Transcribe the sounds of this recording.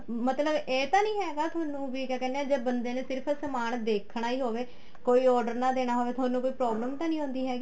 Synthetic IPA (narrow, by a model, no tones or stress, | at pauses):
mət̪ləbeːt̪ãːnĩːɦɛːɡaːt̪ʰʊaːnũːʋiːkɛːkɛːndeɛːd͡ʒeːbənd̪eːneːsɪɾpʰsəmaːnd̪eːkʰɳ̃aːiːɦoːʋeː | koːiːɔːɾɖəɾnãːd̪eːɽ̃aːɦoːʋeːt̪ʊaːnːũːkoːiːpɾɔːbləmt̪ãːnĩːɦõːnd̪iːɦɛːɡiː